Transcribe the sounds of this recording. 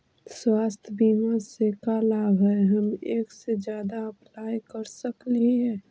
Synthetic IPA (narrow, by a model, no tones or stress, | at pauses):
swaːst̪ʰəbiːmasekalaːbɦɛɦəmeːksed͡ʒjaːd̪aəplaːjkəɾsəkliɦɛː